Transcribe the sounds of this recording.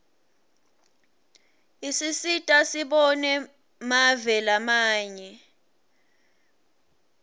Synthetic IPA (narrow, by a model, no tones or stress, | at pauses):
isisitʼasiɓɔnɛ | mavɛlamaːɲɛ